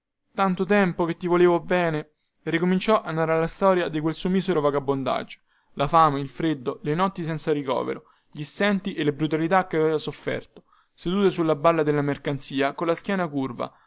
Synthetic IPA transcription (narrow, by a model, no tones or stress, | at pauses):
t̪ant̪ot̪ɛmpok̟et̪ːivoleːvobɛːne | rikomint͡ʃɔʔanːaːɾalːast̪ɔːɾjad̪ikwelsumiseɾovaɡabːond̪a̰d͡ʒːo̥ | lafaːmeilfɾed̪ːolenɔt̪ːisɛnt̪saɾikɔ̰ːvḛɾo | ʎist̪ɛnt̪iʔelːebɾut̪̬alit̪akːavveːvasofːɛ̰rt̪o̥ | sed̪uːt̪esulːabalːad̪elːamerkant̪siːakolːaskʲjɛːnakurva̰